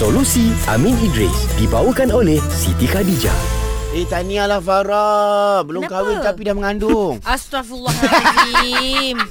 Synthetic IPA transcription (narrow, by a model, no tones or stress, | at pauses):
solusia̰minidɾḭsdibawukanolɛhsit̪ixadid͡ʒa̰eht̪anialahfaɾɔbəlʊkawɪnt̪apidahməŋandʊŋasaf